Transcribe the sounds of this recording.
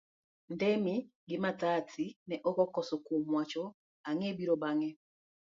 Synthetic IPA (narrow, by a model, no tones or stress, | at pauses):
ndɛmi | ɡɪmataːtʰinɛʔɔkɔkɔsɔkomwat͡ʃɔ | aŋebiɾɔbaŋɛ